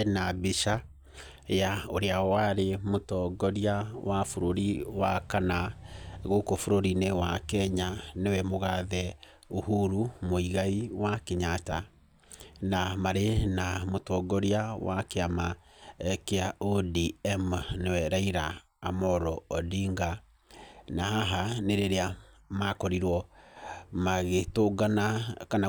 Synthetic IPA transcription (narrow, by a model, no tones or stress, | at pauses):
nabiʃa | jaoɾeawaɾemotɔɡɔɾiawafoɾoɾiwakanaɣokofoɾoɾinewakɛɲanewɛmoɣaðɛ | ohuɾumoiɣaiwakeɲata | namaɾenamotɔɡɔɾiawakeamaɛkeaʔodiɛmnewɛɾaiɾaː | mɔɾɔɔdiŋɡa | naɦaɦaneɾeɾeamakɔɾiɾwɔ | maɣetoɡanakana